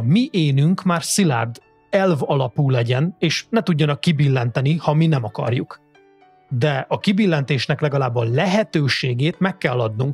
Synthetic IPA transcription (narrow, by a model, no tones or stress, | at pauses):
miʔeːnyŋkmaːrsila̰ːrd̪ | ɛlvɒlɒpuːlɛɟɛneːʃnɛt̪uɟːɒnɒkːibilːɛnt̪ɛnihɒminɛmɒkɒ̰rjuk | d̪ɛɒkibilːɛnt̪eːʃnɛklɛɡɒlaːbːɒlɛɦɛt̪øːʃeːɡeːt̪mɛkːɛlːɒd̪nuŋk